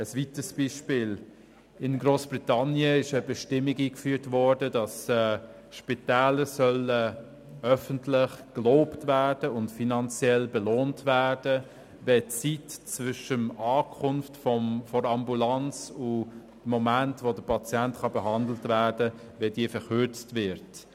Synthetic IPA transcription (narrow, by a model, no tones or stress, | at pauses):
əsvitəsb̥iʃpɪːl | ɪnɡɾoːsb̥ɾitɑnjəɪʃəbəʃtɪmːikiːkfyːtvɔɹdədɑsɛː | ʃpitɛːləsœlə | œfəntlɪχkloːptvæːd̥əʊntfinɑnt͡sjɛlbəloːntvæːd̥ə | vɛt͡sitt͡svʏʃəmɑːkʰʊnftfɔmfɔɾɑmbulɑnt͡sʊ | mɔmæntvodəpʰɑt͡sjæntχɑbəɦɑndl̩tvæːɾdə | vɛdiːəfəɾχʏɾt͡stvɪɾt